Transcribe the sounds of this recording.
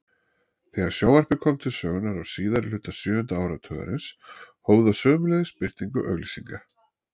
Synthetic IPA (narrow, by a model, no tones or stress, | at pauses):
θɛːɣaɾ̥sjaːwar̥pɪkʰɔmt̪ʰɪsœːɣʏnaɾawsiːðaɾlʏːt̪asjʏːvʏnt̪aaːwɾat̪ʰœːɣa̰ɾɪnshoːwðasœːmʏlɛðɪspɪr̥t̪iŋkʏʔœ̰ɣlisiŋka